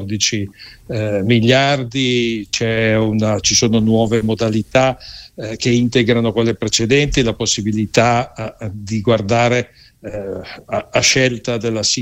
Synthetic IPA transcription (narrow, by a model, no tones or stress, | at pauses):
d̪it͡ʃi | milːjard̪it͡ʃɛunat͡ʃisoːnonwɔːvemod̪alit̪akeint̪eɡɾanokolːepɾet͡ʃed̪ɛnt̪ilaposːibilit̪a | d̪iɡward̪aːɾe | aʃɛlt̪ad̪elːasi